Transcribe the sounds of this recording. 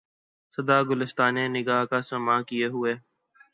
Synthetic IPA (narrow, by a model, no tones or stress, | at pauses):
səd̪aːɡʊlɪst̪aːnẽːnɪɡaːɦkaːsəmãːkijeːɦʊeː